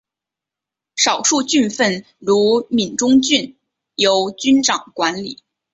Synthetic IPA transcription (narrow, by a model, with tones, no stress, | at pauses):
ʂɑ˨˩ʊʂu˥˧t͡ɕy˥˧nfə˥˩n | ɻu˧˥mi˨˩nʈ͡ʂʊ˥ŋt͡ɕy˥˩n | jo˧˥ʊt͡ɕy˥nʈ͡ʂɑ˨˩ŋkwa˧˥nli˨˩˦